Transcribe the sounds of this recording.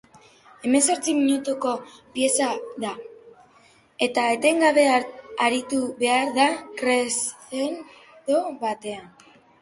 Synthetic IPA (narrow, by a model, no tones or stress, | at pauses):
e̞me̞so̞ɾt͡simiɲut̪uko̞pje̞saða | e̞t̪aet̪e̞ŋɡaβe̞aɾit̪uβe̞aɾðakɾe̞sten | t̪oβat̪e̞an